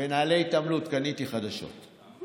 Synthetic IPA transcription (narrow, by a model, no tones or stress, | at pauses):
enaːleit̪amlutkanit̪iχad̪aʃo̞̰t̪